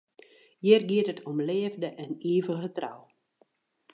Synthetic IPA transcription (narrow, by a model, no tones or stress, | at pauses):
jɪərɡiətətʰɔmleːvdəʔɛniːvəɣətra̰w